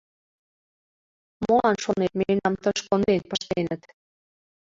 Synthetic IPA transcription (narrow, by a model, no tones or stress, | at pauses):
molɑnʃonet̪̚menɑmt̪əʃkonenpə̆ʃt̪enət̪